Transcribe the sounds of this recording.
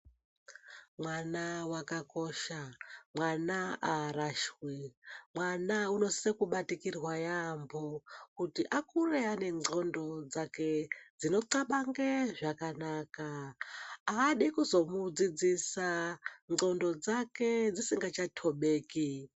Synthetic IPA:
mwanawakakoʃamwanaaɾaʃwimwanauno̞sekuɓatikirwajambʱokutiʔakureane̞ŋ͡ǀʱondo̞d͡zake̞d͡zino̞ǀaɓaŋɡeʐakanaːkaː | ɗikuzo̞mud͡zid͡zisaŋ͡ǃŋ͡ǀondo̞d͡zaked͡zisiŋɡat͡ʃatʰoɓeːki

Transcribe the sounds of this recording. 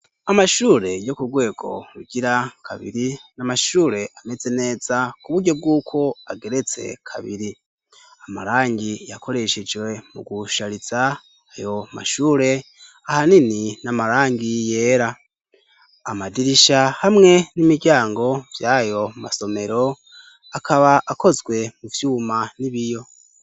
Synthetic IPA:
amaʃuːɾe̞jo̞kuɡwe̞ːɡ̥o̞̰ɾuɟ̥iɾakʰa̰βḭɾinamaʃuːɾe̞ʔame̞ze̞ne̞ːz̥akuβuɟo̞b̚ɡuːkʰo̞aɡeɾe̞t͡se̞̰kʰaβiɾi | ama̰ɾaːŋɟijakʰo̞ɾe̞ʃed͡ʒwe̞muɡuʃaɾiz̥a | hajo̞ma̰ʃuːɾe̞ | ahanininamaɾaːŋɡije̞ːɾa | madiɾiʃahamŋe̞nimiɟaːŋɡo̞vjaːjo̞ma̰so̞me̞ɾo̞ | akʰaβaʔako̞zɡwe̞muvjuːmaniβijo̞

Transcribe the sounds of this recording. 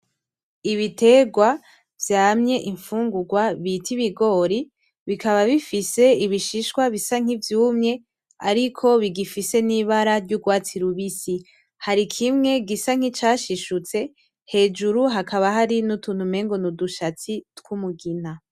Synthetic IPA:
iβite̞ːɡwa | vjaːmɲe̞ʔiɱfuːŋɡuɡwaβitʰiβiɡo̞ːɾi | βikʰaβaβifise̞iβiʃiʃkwaβisaŋ̥ivjuːmɲe̞ | aɾikʰo̞βiɡifise̞niːβaɾaɾɟuɡwaːt͡siɾuβisi | haɾikʰimŋe̞ɡisaŋ̥it͡ʃaːʃiʃut͡se̞ | he̞ːd͡ʒuɾuɦakaβaɦaɾinutuːn̥ume̞ːŋɡo̞nuduʃat͡sitwumuɡin̥a

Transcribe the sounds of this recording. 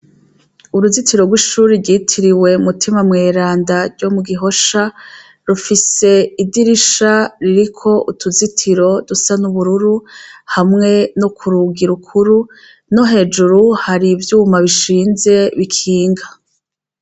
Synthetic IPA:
uɾuzitiɾo̞ɡwiʃuːɾiɾɡiːtʰiɾiwe̞umutʰimamŋe̞ːɾaːndaɾɟo̞muɡiɦo̞ʃa | ɾufise̞idiɾiʃaɾiɾikʰo̞ʔutʰuzitʰiɾo̞dusanuβuɾuɾuhamŋe̞no̞kʰuɾuɡiɾukʰuɾu | no̞ɦe̞ːd͡ʒuɾuhaɾivjuːmaβiʃiːnze̞βikʰiːŋɡa

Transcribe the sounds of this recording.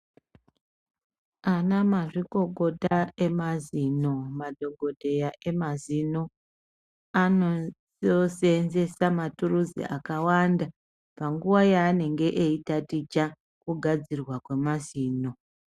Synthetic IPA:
anamaʐiko̞ko̞tae̞mazino̞madʱo̞ɡʱo̞dʱe̞jaʔe̞mazino | ano | ose̞nze̞samaturuzḭʔakawanda | paŋɡuwajaːne̞ŋɡe̞ʔeitatit͡ʃa | kuɡʱad͡zirwakwe̞maziːno̞

